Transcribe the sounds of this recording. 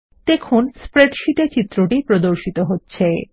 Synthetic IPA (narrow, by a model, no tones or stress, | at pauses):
t̪ekʰonspɾeʈʃiʈet͡ɕit̪ːɾoʈipɾod̪oɾʃit̪oɦotːɕʰe